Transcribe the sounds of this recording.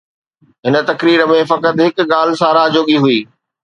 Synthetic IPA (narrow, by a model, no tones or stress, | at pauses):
ɦɪnə̆t̪ɐkɾiːɾəmẽfɐkət̪ɦɪkɠaːlsaːɾaɦd͡ʑoːɠiɦuiː